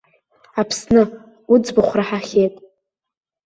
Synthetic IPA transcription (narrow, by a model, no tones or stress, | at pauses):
apʰsnɨ | ud͡zbɨχʷraħaχʲejtʼ